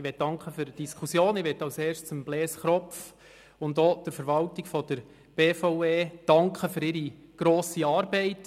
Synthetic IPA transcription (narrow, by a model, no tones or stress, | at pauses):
ʋɛt̚d̥ɑŋkχəføɾd̥iskʰusjoːnɪʋɛtɑʊsɛːrʃt͡sʊmblɛːsχɾɔpf | ʊndɔːd̥əɾfəɾʋɑltiɡ̥fɔd̥əɾ | b̥eːfɔʊeːd̥ɑŋkʰəføɾɪɾiɡ̥ɾoːsiɑːɾbɛɪt